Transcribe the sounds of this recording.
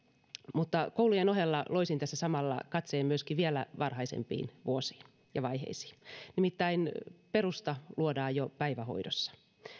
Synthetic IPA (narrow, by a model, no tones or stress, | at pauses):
mut̪ːɑkoulujenoɦelːɑloisint̪æsːæsɑmɑlːɑ̰kɑt̪seːmmyøskiʋielæ̰ʋɑrhɑisḛmpḭːnʋuosi̥ːn | jɑʋɑjhḛisi̥ːnimit̪ːæinperust̪ɑluodɑːjjopæiʋæho̰idosːɑ̥